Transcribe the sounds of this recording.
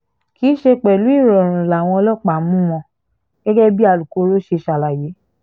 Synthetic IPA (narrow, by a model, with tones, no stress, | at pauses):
ki˨˦ʃe˧k͡pɛ˨lu˨˦i˦˨ɾɔ˨ɾ̃ũ˨la˨w̃ɔ̃˧ɔ˧lɔ˦˨k͡pa˨mũ˦w̃ɔ̃˧ | ɡ̥ɛ˦ɡɛ˦bi˦a˧lu˨ko˨˧˦ɾo˦ʃe˧ʃa˨la˨je˨˦